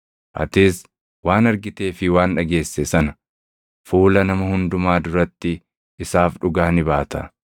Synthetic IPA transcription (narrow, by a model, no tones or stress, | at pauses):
ʔɐ̰t̪ɪs | waːnɐɾɡɪt̪e̞ːfɪwaːnᶑɐɡe̞ːsːɛsɐnɐ̥ | fuːlɐnɐmɐhʊnd̪ʊmaːd̪ʊɾɐt̪ːɪː | saːfᶑʊɡaːnɪbaːt̪ɐ̰